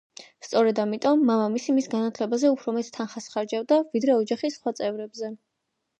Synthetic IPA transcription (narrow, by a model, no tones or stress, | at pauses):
st̪sʼɔɾɛd̪amit̪ʼɔmːamamisimisɡanat̪ʰlɛbazɛupʰɾɔmɛt̪ʰːanχasχaɾd͡ʒavd̪avid̪ɾɛɔd͡ʒaχisχwat̪sʼɛvɾɛbzɛ